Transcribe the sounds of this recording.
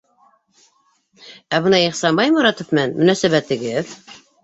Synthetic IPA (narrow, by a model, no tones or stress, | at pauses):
æbɤ̆nɑiχsɑmbɑjmɑɾɑt̪ofmænmɵ̆næsæβæt̪ɘ̆ɡɘð